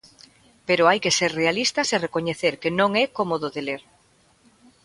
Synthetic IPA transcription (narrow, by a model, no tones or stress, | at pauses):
peɾoajkeseɾrealist̪ɐserekoɲeθeɾkenõŋɛkomoðoðeleɾ